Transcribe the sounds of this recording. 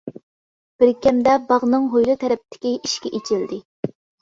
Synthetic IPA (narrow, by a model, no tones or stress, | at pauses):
b̥ɪɾkʲɛmd̪ɛbɑʁnɨŋɦojlˠɨt̪ʰɛɾɛp̚t̪ʰɪ̥kʲiiʃkʲɛʔet͡ʃʰild̪ɪ